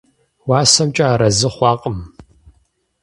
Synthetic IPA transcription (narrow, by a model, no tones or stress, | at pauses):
waːsɐmt͡ʃʼaːɾɐzɨχʷɑːqʼəm